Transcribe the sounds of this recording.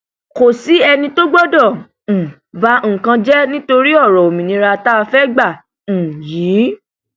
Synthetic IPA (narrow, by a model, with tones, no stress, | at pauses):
ko˨si˨˦ɛ˧nĩ˧to˦ɡ͡bɔ˦dɔ̃˦˨ | va˧˦ŋ̩˦˨kã˧d͡ʒɛ˦nĩ˦to˧ɾi˦ɔ˦˨ɾɔ˨o˨mĩ˨nĩ˨˧˦ɾa˧ta˦˧fɛ˦ɡ͡bã˦˨ | jiː˨˦